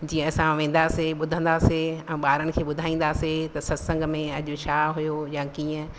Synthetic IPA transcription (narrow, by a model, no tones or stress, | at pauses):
d͡ʑiːə̃ɐsãʋẽːn̆d̪aseɓʊd̪ʱə̃nd̪aseɛ̃ːɓaːɾənɪ̆kʰeːɓʊd̪ʱaːĩːn̆d̪aset̪ɐsɐsə̃ŋɡmẽɐʄʊ̆t͡ɕʰaɦʊjojakiːə̃